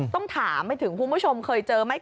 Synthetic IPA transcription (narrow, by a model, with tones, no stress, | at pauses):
t̪ɔ˥˩ŋt̪ʰaː˩˦mːa˧jt̪ʰɯ˨˩˦ŋkʰu˧nbu˥˩t͡ɕʰo˧mkʰɤː˧jt͡ɕɤː˧ma˥˩j